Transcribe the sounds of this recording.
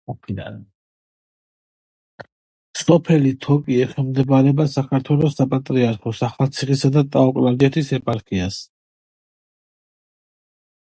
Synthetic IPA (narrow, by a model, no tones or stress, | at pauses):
ɔpʰila̰ | sɔpʰɛlit̪ʰɔkʼiɛχɛlmd̪ɛbaɾɛbasakʰaɾt̪ʰwɛlɔsapʼat̪ʼɾiaɾkʰɔsaχat̪sʰiχisad̪at̪ʼaɔkʼlad͡ʒɛt̪ʰisɛpʼaɾkʰias